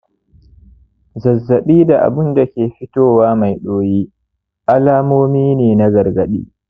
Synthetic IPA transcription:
zɐ˨zːɐ˨ɓiː˦da˨ʔa̰˨bʊ˦nda˨kʲeː˨ɸɪ˦toː˦waː˦ma˨jɗoː˦jiː˦ | ʔa˦laː˦moː˦miː˦neː˨na˦ɡɐ˨rɡɐ˨ɗḭː˦

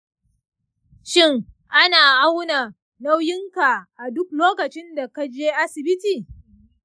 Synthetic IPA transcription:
ʃɪ˦ŋ | ʔa˦naː˨ʔa˦wna˨ | na˦wjɪ˦ŋka˨ʔa˨dʊ˦k̚loː˦kɐ˨t͡ʃɪ˦nda˨ka˦d͡ʒeː˦ʔa˦sɪ˨bɪ˦tiː˨

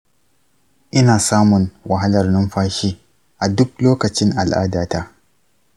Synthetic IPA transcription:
ʔɪ˦naː˨saː˦mʊ˨nwʔa˨ɦa˦lɐ˨rnʊ˦mɸaː˦ʃiː˦ | ʔa˨dʊ˦k̚loː˦kɐ˨t͡ʃɪ˦ŋʔa˨lʔa̰ː˦daː˨taː˦

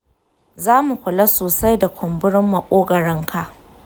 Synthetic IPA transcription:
zaː˦mu˨kʷʊ˨la˦soː˨sa˦jda˨kʷʰʊ˨mbʊ˦ɽɪ˦mːa˨kʷʼoː˦ɡɐ˨ɽɪ˦ŋkʰa˨ʔ

